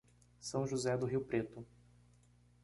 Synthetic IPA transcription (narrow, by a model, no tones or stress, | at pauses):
sɐ̃w̃ʒuzɛd̪ʊɦiwpɾet̪ʊ